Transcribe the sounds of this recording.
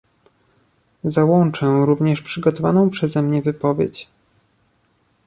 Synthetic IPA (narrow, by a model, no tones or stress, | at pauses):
zawɔnt͡ʂɛ̃ɾuvɲɛʂpʂɘɡɔt̪ɔvanɔ̃w̃pʂɛzɛmɲɛvɘpɔvʲjḛt͡ɕ